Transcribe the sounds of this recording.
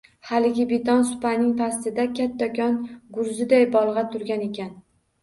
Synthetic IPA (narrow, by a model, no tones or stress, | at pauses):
halɪɡʲɪbet̪ʰɒnsʊ̥pʰanɪŋpʰast̪ɪd̪akʲʰat̪ʰːakʲʰɒnɡʊɾzɪd̪ajbɒlˠʁɑt̪ʰʊɾɡʲane̞kʲʰan